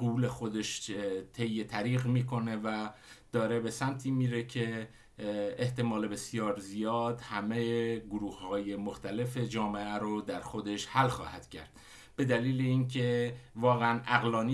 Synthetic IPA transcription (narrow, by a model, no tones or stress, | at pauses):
uːle̞xo̞d̪e̞ʃt̪ʰe̞jːet̪ʰæɾiːɣmiːkʰo̞ne̞væd̪̥ɒːɾe̞be̞sæmt̪ʰiːmiːɾecʰe̞ | eht̪e̞mɒːlebe̞sijɒːɾzijɒːd̪hæmejeɡoɾuːhhɒːje̞moxt̪æle̞fe̞d͡ʒɒːme̞æɾod̪æɾxo̞d̪e̞ʃhælxɒ̰ːhæd̪̥cʰæ̰ɾd̪̥ | b̥e̞d̪æliːleinkʰe̞vɒːɣeænæɣlɒːni